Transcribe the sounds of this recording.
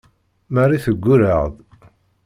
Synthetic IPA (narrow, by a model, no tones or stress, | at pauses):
mærˤiθəɡʷːuɾəʁð